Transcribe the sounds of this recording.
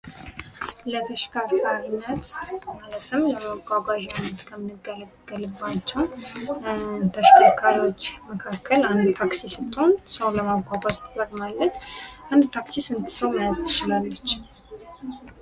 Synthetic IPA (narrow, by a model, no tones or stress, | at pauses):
lət̪ʰəʃkʰakʰaɾinːət̪malət̪ʰɨmləmaɡʷaɡaʒnːət̪kʰəmɨnɨɡələɡ̥ːəlɨbːat͡ʃːɛw | t̪ʰəʃkʰakʰaɾiwot͡ʃːməkʰakʰːəland̪t̪ʰaksisɨt̪ʼːonsəwləmaɡʷaɡʷazt̪d̪əɡmalːət̪ʔand̪t̪ʰaksisɨnt̪ʰɨ̥səwmajazt̪ʰɨ̥t͡ʃɪlalːət͡ʃː